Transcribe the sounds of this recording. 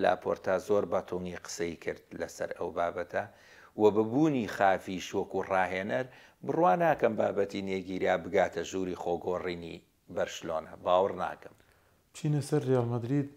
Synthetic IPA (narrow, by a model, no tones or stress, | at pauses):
la̰ːpʰoːɾt̪ʰaːzoːɾbɐt̪ʰuŋɡiqə̥sɐikʰɨɾd̪lɐsɐ̰ɾɐwbaːbɐt̪ʰɐ | wɐbɨbuːniːxaːfiʃwɐkurɑːɦeːnɐɾ | bɨrwaːnaːkɐmbaːbɐt̪ineɡiːɾijaːbɨɡaːt̪ʰɐʒuːɾiːxoːɡoːriːnḭ | bɐɾʃɨloːnɐbaːwɨɾna̰ːkɨm | t͡ʃʰiːnɐsɐɾːijaːlmɐd̪ɾiːd̪̚